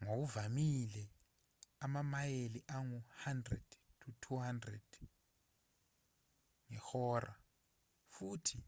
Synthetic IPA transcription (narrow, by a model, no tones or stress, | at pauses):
ŋok̬uvamilɛ | amamajeliʔaŋuhandrɛ̰d̥tʰutʰuhandrɛd̥ | ŋɛxɔːra | fuːtʰi